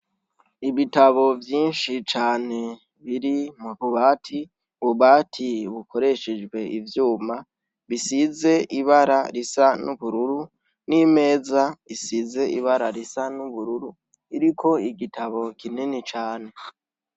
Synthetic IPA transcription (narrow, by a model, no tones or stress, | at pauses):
iβitaβo̞vjiːnʃit͡ʃaːne̞ | βiɾimuβuβaːtʰi | βuβaːtʰiβukʰo̞ɾe̞ʃed͡ʒɡwe̞ʔivjuːma | βisize̞ʔiβaɾaɾisanuβuɾuɾu | nime̞ːzaisize̞ʔiβaɾaɾisanuβuɾuɾu | iɾikʰo̞iɡitʰaβo̞kʰininit͡ʃaːne̞